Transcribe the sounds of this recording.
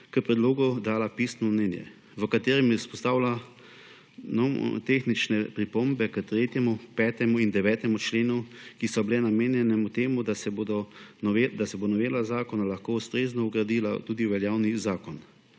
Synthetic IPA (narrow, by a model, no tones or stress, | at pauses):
kəpɾɛd̪loːɡud̪aːlapisnɔmnɛːnjɛ̰ | ʋəkat̪eːɾɛmjɛspɔst̪aːwla | nɔ̰t̪eːxnit͡ʃnɛpɾipombɛkət̪ɾeːt̪jɛmupɛːt̪ɛmuind̪ɛʋɛːt̪ɛmut͡ʃleːnukisɔbilɛnameːnjɛnɛmut̪eːmud̪asɛbod̪ɔnɔed̪asɛbonɔʋeːlazaːkɔnalaxkoːust̪ɾeːznɔuɡɾad̪iːla̰t̪uːd̪iʋɛljaːwnizaːkɔn